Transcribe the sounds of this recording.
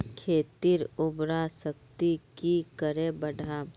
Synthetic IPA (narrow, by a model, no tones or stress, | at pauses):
kʰeːt̪iɾʊbɾasəkt̪ikikəɾebəɖʱaː